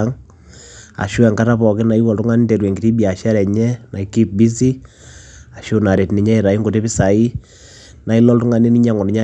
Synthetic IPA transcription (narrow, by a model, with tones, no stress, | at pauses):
ŋ | a̰˨ʃu˦ɛ˨ŋɡa˦ta˦pɔ˨kɪ˦na˨i˦wɔ˨ltu˦ŋa˦ni˦nte˨ɾwe˨ŋɡi˨ti˦bia˨ʃa˦ɾɛ˨ɲɛ˦na˨iki˦p̚bi˦s̬i˦ | a˨ʃo˦na˨ɾe˨tni˨ɲɛ˦i˨ɾa˨i˦ŋɡo˨te˦pi˦sa˨i˦ | na˨i˦lɔ˦ltu˦ŋa˦ni˦ni˦ɲa˦ŋɔ˨ni˨ɲa˦